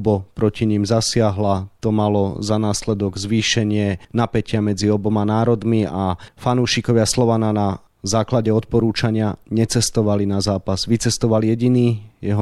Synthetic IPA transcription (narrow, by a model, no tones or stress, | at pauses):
bɔpɾɔciɲimzasɪaɦlat̪ɔmalɔzanaːslɛd̪ɔɡzʋiːʃɛɲɪɛnapɛcɪamɛd͡ziɔbɔmanaːɾɔd̪miafanuːʃikɔʋɪaslɔʋanana | zaːklaɟɛɔt̪pɔɾuːt͡ʃaɲɪaɲɛt͡sɛst̪ɔʋalinazaːpazʋit͡sɛst̪ɔʋaljɛɟiniːjɛɦɔ